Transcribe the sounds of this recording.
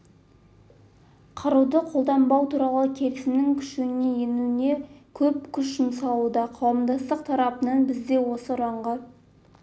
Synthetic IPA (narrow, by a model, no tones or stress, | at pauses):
qʰɑɾud̪əqʰo̞lˠd̪ɑmbɑwt̪ʰuɾɑlˠəkʲʰe̞ɾɪsɪmnɪŋkʲʰʏ̥ʃene̞jenune̞kʲʰɵp̚kʲʰʏʃʒɪmsɑlˠud̪ɑqʰɑwəmd̪ɑst̪əq̚t̪ʰɑɾɑpənɑnbɪzd̪e̞wo̞səɾɑɴʁɑ